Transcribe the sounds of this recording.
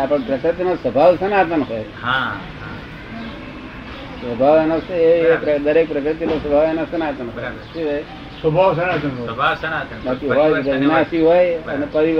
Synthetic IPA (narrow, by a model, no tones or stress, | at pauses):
apəɳpɾəkɾət̪inosəbʱaʋsənat̪ənɦojɦã | sʋəbʱaʋenoseeepɾəd̪əɾek̚pɾəkɾɨt̪inosəbʱaʋenasənat̪ənɦoj | tʰioj | səbʱaʋsənat̪ənɦoa | bakiɦoj̪eʋinasiɦojənepəʋiʋ